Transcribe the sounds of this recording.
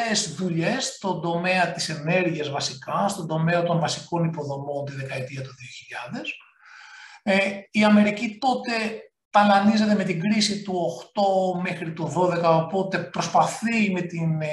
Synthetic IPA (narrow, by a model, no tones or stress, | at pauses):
ezðuʎe̞st̪o̞nd̪o̞me̞ɐt̪ise̞ne̞ɾʝiɐzvɐsikɐst̪o̞nd̪o̞meɐt̪o̞nvɐsiko̞nipo̞ðo̞mo̞nt̪iðe̞kɐet̪iɐt̪oðio̞çiʎɐðe̞s | iɐme̞ɾicit̪o̞t̪e̞ | t̪ɐlɐnize̞t̪e̞me̞t̪iɡɾisit̪uo̞xt̪o̞mexɾit̪uðo̞ðe̞kɐopo̞t̪e̞pɾo̞spɐθime̞t̪in